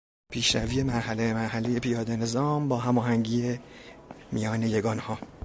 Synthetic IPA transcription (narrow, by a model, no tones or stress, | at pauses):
pʰiːʃɾæviːje̞mæɾhælemæɾhæleje̞pʰijɒːd̪e̞ne̞zɒːmbɒːɦæmɒːɦæŋɟiːe | mijɒːne̞jeɡɒːnhɒː